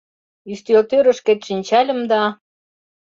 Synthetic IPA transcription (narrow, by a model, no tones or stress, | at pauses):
yʃt̪ølt̪øɾə̆ʃket̪ʃinʲt͡ɕɑlʲə̆md̪ɑ